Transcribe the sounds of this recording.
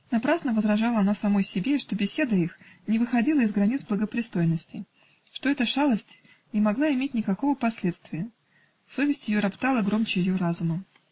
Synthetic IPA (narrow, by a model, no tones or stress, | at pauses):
nɐpɾasnəvəzɾɐʐalˠəɐnasɐmo̞jsʲɪbʲeʂt̪o̞bʲɪsʲe̞d̪əixnʲɪvɨxɐdʲilˠəɪzɡɾɐnʲit̪sblˠəɡəpɾʲɪst̪o̞jnːəsʲtʲɪ̰ | ʂt̪o̞ɛt̪əʂalˠəsʲtʲ | nʲɪmɐɡlˠaɪmʲetʲnʲɪkɐko̞vəpɐsʲlʲe̞t̪st̪vʲɪjə | so̞vʲɪsʲtʲjɪjo̞ɾɐpt̪alˠəɡɾo̞mt͡ɕɪjɪjoɾazʊməm